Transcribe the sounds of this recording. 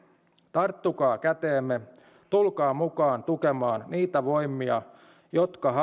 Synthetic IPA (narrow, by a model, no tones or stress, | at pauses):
t̪ɑrt̪ːukɑːkæt̪eːmːe | t̪ulkɑːmukɑːnt̪ukemɑːnniːt̪æʋo̞jmiɑ | jo̞t̪kɑɦɑ